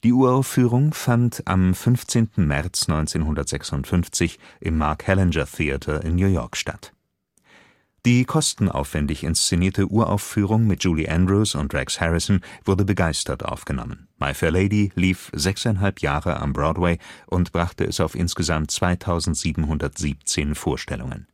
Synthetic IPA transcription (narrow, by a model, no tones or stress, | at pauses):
d̥iːuːɐaʊfyːʁ̞ʊŋfantʰa̰mfʏnft͡seːntn̩mɛʁt͡snɔʏnt͡seːnɦʊndɐtz̥ɛksʊntfʏnft͡sɪçʔɪmːaɐkhɛlɛnd͡ʒɐθiatʰɐʔɪnnjuːjɔ̰ɐkʃta̰t | d̥iːkʰɔstn̩ʔa̰ʊfv̥ɛndɪçɪ̰nst͡seniːɐtʰəʔuːɐʔa̰ʊffyːʁ̞ʊŋmɪt̚ʒ̥uːliʔɛ̃ndʁuːsʊntdʁɛkshɛʁɪsn̩v̥ʊɐdəbəɡaɪstɐtʔa̰ʊfɡ̥ənɔ̰mən | ma̰ɪfɛɐleɪdiliːfz̥ɛksaɪnɦalpjaːʁəʔa̰mbʁɔːdweɪʔʊntb̥ʁaχtəʔɛ̰saʊfʔɪ̰nsɡ̥əzamtt͡sv̥aɪtʰaʊzn̩tz̥iːbm̩ɦʊndɐtz̥iːp̚t͡seːnfoːɐʃtɛ̰lʊ̰ŋə̰n